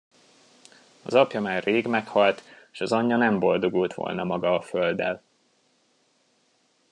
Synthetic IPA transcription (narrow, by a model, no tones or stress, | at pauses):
ɒ̰zɒpjɒmaːrːeːɡmɛkhɒlt̪eʃɒzɒɲːɒnɛmbo̞ld̪o̞ɡult̪ʋo̰lnɒmɒɡɒːføld̪ɛ̰l